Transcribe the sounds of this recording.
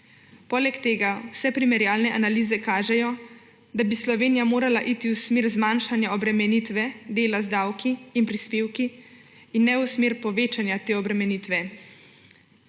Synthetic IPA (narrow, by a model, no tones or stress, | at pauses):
poːlɛkt̪eːɡawsɛpɾimɛɾjaːlnɛʔanaliːzɛkaːʒɛjɔ | d̪abislɔʋeːnijamoːɾalaʔit̪iwsmeːɾzmaːnʃanjaɔbɾɛmɛnit̪ʋɛd̪eːlazd̪aːwkʰiːnpɾispeːwkiː | nːɛusmeːɾpɔʋeːt͡ʃanjat̪eːɔbɾɛmɛniːt̪ʋɛ